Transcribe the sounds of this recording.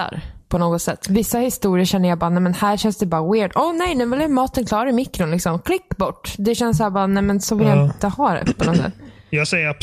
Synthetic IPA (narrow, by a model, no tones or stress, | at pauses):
a̰ɾpʰɔnoːɡɔt̪sɛt̪ːvɪsːahɪst̪uːɾɪəʂɛnːəjabɑːɾanɛmɛnhæːɾɕɛnsd̪ɛbɑːɾawɪːɖɔnɛjnʉːvɪlɛmɑːt̪ənklɑːɾaɾɪmɪkːɾʊnlɪksɔmkʰlɪkːbɔʈːd̪ɛɕɛnːs̬hæːbɑːɾnɛjmɛnsɔvɪljaɪnt̪əhɑːɾ̰ɛ̰pʰɔnɔsɛ̰t̪ːjɑːɡsɛjəap